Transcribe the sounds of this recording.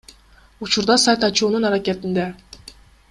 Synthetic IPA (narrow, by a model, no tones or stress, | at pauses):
ut͡ʃuɾd̪ɑsajt̪ɑt͡ʃuːnunɑɾakʲet̪ind̪e